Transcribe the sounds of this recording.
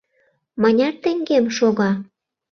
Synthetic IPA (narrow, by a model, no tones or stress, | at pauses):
mɑnʲɑt̪ĕŋɡemʃoɣɑ